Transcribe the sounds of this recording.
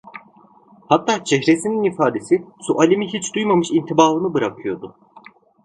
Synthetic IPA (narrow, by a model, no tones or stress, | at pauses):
hat̪ʰːaːt͡ʃʰɛɦɾesininifaːd̪esisuʔalʲimiɦit͡ʃd̪ujmamɯʃint̪ʰibaːlˠɯnɯbɯɾakʰɯjo̞d̪ʊ